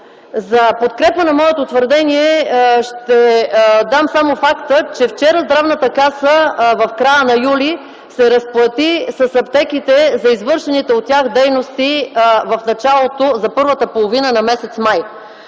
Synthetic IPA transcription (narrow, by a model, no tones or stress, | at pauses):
zɐpot̪kɾɛpənɐmɔɛt̪ot̪vəɾd̪ɛniɛʃt̪ɛd̪amsamofakt̪ət͡ʃɛft͡ʃɛɾəzd̪ɾavnət̪əkasəvɐfkɾajənɐjuli | sɛɾɐsplˠɐt̪isɐsɐpt̪ɛkit̪ɛzɐizvɤɾʃɛnit̪ɛot̪ːʲjaxd̪ɛjnost̪ivɐfnɐt͡ʃalˠot̪ozɐpɤɾvət̪əpolˠovinənɐmɛsɛt̪smaj